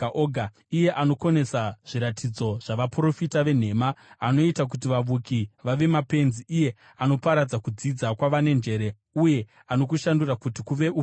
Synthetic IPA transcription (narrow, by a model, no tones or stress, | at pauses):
ʔoɡʱa | ije̞ʔano̞ko̞ne̞saʐ̥iɾatʰid͡zo̞ʐ̥aʋapro̞fitaʋe̞n̤e̞ːmaːno̞itak̬ut̬iʋaʋukiʋaʋe̞mape̞nziːje̞ | ano̞paɾad͡zakud͡zid͡zakwaʋane̞nd͡ʒe̞ːɾe̞ | uje̞ | ano̞k̬uʃandurakutikuʋe̞ʔu